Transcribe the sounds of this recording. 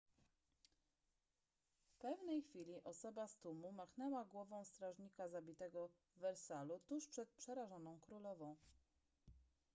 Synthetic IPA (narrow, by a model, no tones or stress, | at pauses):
fpɛvnɛjxfʲilʲiʔɔsɔbast̪umumaxnɛwaɡwɔvɔ̃w̃st̪ɾaʐɲikazabʲit̪ɛɡɔ | vɛɾsalut̪uʂpʂɛt̪̚pʂɛɾaʐɔnɔ̃w̃kɾulɔvɔ̃w̃